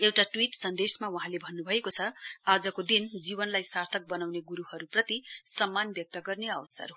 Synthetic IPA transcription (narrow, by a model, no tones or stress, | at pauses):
ewʈaʈwiʈsʌnd̪esmawuɦãlebʱʌnːubʱʌekot͡sʰʌad͡zʌkod̪ind͡zibʌnlajsart̪ʰʌk̚bʌnawneɡuɾuɦʌɾuprʌt̪isʌmːanbjʌk̚t̪ʌɡʌrneʌwʌsʌ̰r